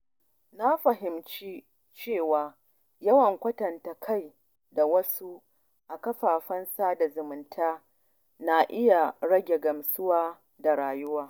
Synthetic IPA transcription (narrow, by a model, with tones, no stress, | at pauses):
na˦ɸɐ˨ɦɪ˨mt͡ʃi˦ | t͡ʃeː˦˨waː˨ | jɐ˦wɐ˨ŋkʷɐ˦tɐ˨nta˨kʰa˦˨j | da˨wɐ˦su˦ | ʔa˨kɐ˦ɸaː˨ɸɐ˦nsaː˦da˨zʊ˨mʊ˨ntʰaː˦ | na˦ʔɪ˦ja˨ɽɐ˦ɡʲe˨ɡɐ˨msʊ˦waː˦ | da˨ɽaː˨jʊ˦waː˦